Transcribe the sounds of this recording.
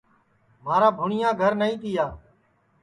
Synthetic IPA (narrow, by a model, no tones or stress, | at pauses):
maːɾaːbʱʊɳɪjãːɡʱəɾnəĩːt̪ɪjaː